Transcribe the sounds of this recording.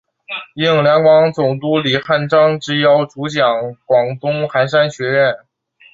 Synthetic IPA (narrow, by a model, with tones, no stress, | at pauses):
i˥˩ŋljɑ˧˥ŋkwɑ˧˥ŋt͡sʊ˨˩ŋt̪u˥li˨˩xa˥˩nʈ͡ʂɑ˥ŋʈ͡ʂɻ̩˥jɑ˧˥ʊʈ͡ʂu˧˥t͡ɕjɑ˨˩ŋkwɑ˨˩ŋt̪ʊ˥ŋxa˧˥nʂ̬a˥nɕɥɛ˧˥ɻɛ˥˩n